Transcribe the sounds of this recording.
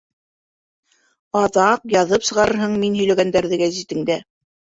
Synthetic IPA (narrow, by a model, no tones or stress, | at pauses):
ɑðɑqjɑðɤpsɤ̆ʁɑɾɤ̆ɾɦɤɴminɦɵ̆jlæɡænd̪æɾðɘɡæzit̪ɘ̆ŋd̪æ